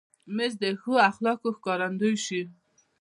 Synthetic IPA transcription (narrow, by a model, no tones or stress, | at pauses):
mezd̪əxoaxlɑkoxkɑɾand̪ujʃi